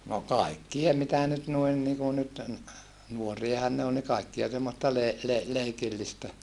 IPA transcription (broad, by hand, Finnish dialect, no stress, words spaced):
no kɑikːie mitæ nyt nuin niku nyt nuoriɑhɑn ne ol ni kɑikːiɑ semːostɑ le le leikilːistæ